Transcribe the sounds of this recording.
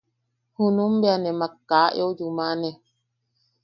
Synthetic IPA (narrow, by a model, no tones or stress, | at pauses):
hunumbeanɛmakːaːʔɔd͡ʒumanɛ